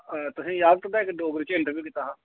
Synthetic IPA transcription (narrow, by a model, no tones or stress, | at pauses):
t̪ʊsĩːjaːd̪̚t̪əd̪aːɪkɖoːɡəɾt͡ʃɪɳʈəbjiːkɪt̪aːɦãː